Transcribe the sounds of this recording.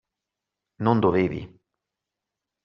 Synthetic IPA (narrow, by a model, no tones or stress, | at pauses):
nond̪oveːvḭ